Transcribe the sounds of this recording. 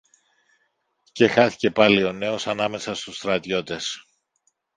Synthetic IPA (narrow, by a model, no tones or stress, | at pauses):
ce̞xɐθi̥ce̞pɐlio̞ne̞o̞sɐnɐme̞sɐst̪ust̪ɾɐt̪ʝo̞t̪e̞s